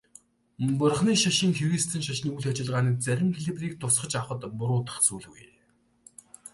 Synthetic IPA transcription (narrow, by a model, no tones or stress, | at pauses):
pʊrχniːʃaʃɪ̆ŋxʰuɾiːst̪ʰɘ̆nʃaʃniːuɮat͡ɕɪ̆ɮʁaːniːt͡sæɾʲɪ̆mxeɮipriːk̚t̪ʰʊsχə̆t͡ɕawχə̆t̪pʊɾʊːt̪ə̥̆χt͡suːɮɣṵj